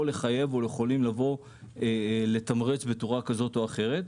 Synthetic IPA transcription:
le̞χaje̞vo̞ljeχo̞limlavo̞ | le̞t̪amʁet͡sbe̞t͡suʁakazo̞to̞aχe̞ʁe̞t̪

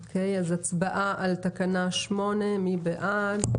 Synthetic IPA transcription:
okʰejazat͡sbaʔaʔalt̪akanaʃmo̞ne̞mibeʔad

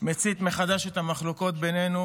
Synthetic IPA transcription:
met͡sit̪me̞χad̪aʃet̪hamaχloko̞t̪̚benenu

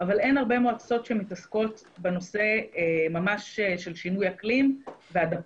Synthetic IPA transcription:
avale̞nhaʁbe̞moat͡so̞tʃemitasko̞t | beno̞se̞mamaʃeʃe̞lʃinujaklimveada

